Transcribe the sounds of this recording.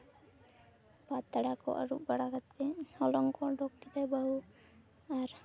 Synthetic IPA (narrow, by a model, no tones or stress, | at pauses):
bat̪ːaɽakɔ̰ʔa̰ɾuʔbaɽakat̪ɛhɔlɔŋkɔɖɔkʈit̪ɛbaɦu | aɾ